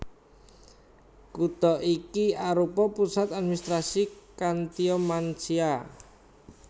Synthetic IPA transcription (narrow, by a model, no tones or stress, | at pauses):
kut̪ɔʔikiaɾupɔpusat̪ad̪̚minist̪ɾasikant̪iɔmant͡ʃia